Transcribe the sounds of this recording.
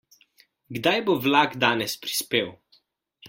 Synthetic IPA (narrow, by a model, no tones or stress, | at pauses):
ɡd̪ajboʋlaːɡd̪aːnɛspɾi̥speːw